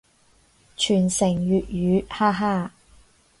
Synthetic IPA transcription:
t͡ʃʰyː˨˩nsɪ˨˩ŋjyː˨t̚jyː˨˧˥haː˥ɦaː˥˩

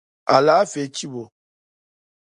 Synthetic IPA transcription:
a˨la˨˦fe˨˦t͡ʃi˦bo˨

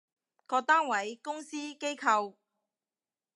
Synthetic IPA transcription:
kɔː˧t̪aː˥nwɐ˨˥jkʊ˥ŋsiː˥ke˥jkʰɐ˧w

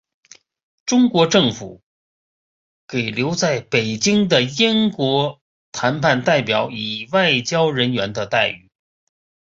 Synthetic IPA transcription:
ʈ͡ʂʊ˥ŋkwɔ˧˥ʈ͡ʂɤ˥˩ŋfu˨˩˦ | ke˨˩ɪljo˧˥ʊt͡sa˥˩ɪpe˨˩ɪt͡ɕi˥ŋd̪ə˨i˥nkwɔ˧˥ | t̪ʰa˧˥npʰa˥˧nt̪a˥˩ɪpjɑ˨˧˩ʊi˨˩wa˥˩ɪt͡ɕjɑ˥ʊɻə˧˥nɥɛ˧˥nd̪ə˧t̪a˥˧ɪy˥˩

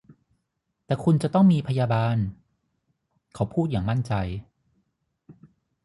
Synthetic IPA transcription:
t̪ɛː˨˩kʰu˧nt͡ɕa˨˩t̪ɔ˥˩ŋmiː˧pʰa˧jaː˧baː˧n | kʰa˦˥wpʰuː˥˩t̪̚jaː˨˩ŋma˥˩nt͡ɕa˧j

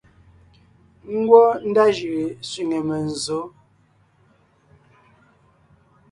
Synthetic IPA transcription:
ŋ̩˦ɡwɔ˦n̩˦da˦ʒi˨sɥi˨ŋe˨mə˨n̩˨zo˨˦

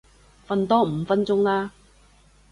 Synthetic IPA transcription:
fɐ˧nt̪ɔː˥m̩˨˧fɐ˥nt͡sʊ˥ŋlaː˥

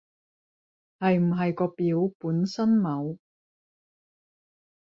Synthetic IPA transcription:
hɐ˨jm̩˨˩ɦɐ˨jkɔː˧piː˨˥wpuː˨˥nsɐ˥nmɐ˨˧˥w

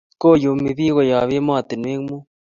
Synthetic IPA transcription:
koː˦ju˨mi˨biː˦ɣo˨jɑː˨weː˦mɑː˦t̪ɪ˨nweː˦ŋmu˦

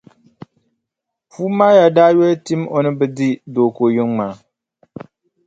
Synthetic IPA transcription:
fuː˦maː˦ja˨daː˦jɛ˦lti˦mo˨nɨ˦bɛ˦di˦doː˨ko˨ji˦ŋŋ͡ma˨

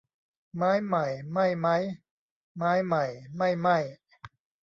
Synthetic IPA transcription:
maː˦˥jma˨˩jma˥˩jma˦˥˩j | maː˦˥jma˨˩jma˥˩jma˥˩j

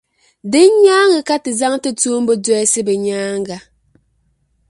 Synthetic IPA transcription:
de˦ɲaː˦ŋɨ˨ka˦ti˨za˦ŋ˦te˦tu˦m̩˦bo˦dɛ˦ɛ˦si˦be˨ɲaː˦ŋ˦ɡa˨

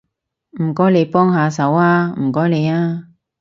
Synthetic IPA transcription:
m̩˨˩kɔː˨˥jle˨˧jpɔː˥ŋɦaː˧sɐ˨˥waː˥m̩˨˩kɔː˨˥jle˨˧jaː˥

